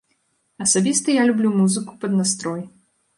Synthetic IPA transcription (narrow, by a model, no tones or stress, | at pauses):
ɐsabʲist̪ɐjalʲublʲumuzɨkupɐd̪nast̪ɾɔj